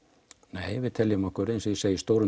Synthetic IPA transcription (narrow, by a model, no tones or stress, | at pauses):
neːjvɪðt̪ʰɛljmɔhkœɾɪnsɪðseːjist̪owɾʏ